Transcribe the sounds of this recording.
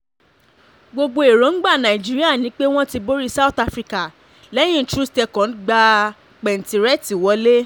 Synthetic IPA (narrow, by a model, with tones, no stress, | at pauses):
ɡ͡bo˧ɡ͡bo˧e˨ɾõ˨˦n̩˦ɡ͡ba˦˨nã˨i˨d͡ʒi˦ɾi˦a˦˨nĩ˨˦k͡pe˦w̃ɔ̃˦ti˧bo˦ɾi˦sa˦u˨ta˧fɾi˧ka˨ | lɛ˦j̃ĩ˦˨tɾu˦stɛ˧kɔ̃˨˦n˦ɡ͡ba˧ | k͡pɛ˨n̩˨ti˨ɾɛ˦ti˨wɔ˧˦le˦